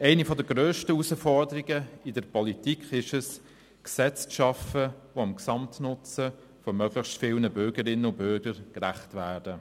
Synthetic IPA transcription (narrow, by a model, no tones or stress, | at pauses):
æɪnifɔdəɡ̥ɾøːʃtəusəfɔɾdəɾiɡəɪdəɾpɔlitikχɪʃəs | ksɛt͡sʃɑfəʋoɑmksɑmtnʊt͡sə | fɔmœɡlɪxstfɪlnəbʏɾɡəɾɪnːənʊb̥ʏɾɡ̥əɾkɾæχtvæːd̥ə